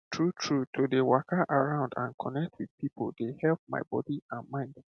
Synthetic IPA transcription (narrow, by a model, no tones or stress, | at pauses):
tʰɹutʰɹutʰodewakʰaʔaɹãʊ̃ndã̰nkʰɔnɛk̚tʰwid̥pipʰo̰lˠdehɛlp̚ma̰ɪbɔ̰diãnmãɪ̃nd